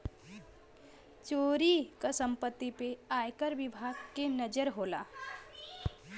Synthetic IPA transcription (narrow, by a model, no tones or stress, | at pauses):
t͡ʃoːɾikasə̃mpət̪ːipeaːjkəɾʋɪbʱaːɡkenəd͡ʒəɾɦoːla̰ː